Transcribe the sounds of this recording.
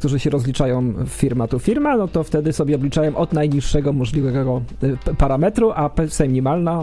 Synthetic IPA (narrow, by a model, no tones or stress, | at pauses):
kkt̪uʐɘɕɛɾɔzlʲit͡ʂajɔ̃w̃fʲiɾmat̪ufʲiɾmanɔt̪ɔft̪ɛd̪ɘsɔbʲjɛɔbʲlʲit͡ʂajɔ̃w̃ʔɔd̪najɲiʂːɛɡɔmɔʐlʲivɛɡɔɡɔpaɾamɛt̪ɾuapɛsɛmʲiɲimalna